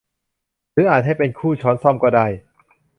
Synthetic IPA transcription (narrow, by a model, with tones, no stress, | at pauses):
ɾɯː˨˦˥ʔaː˨˩t̪̚ha˥˩jpe˧nkʰuː˥˩t͡ɕʰɔː˨˦˥nsɔ˥˩mkɔː˥˧˩da˥˩j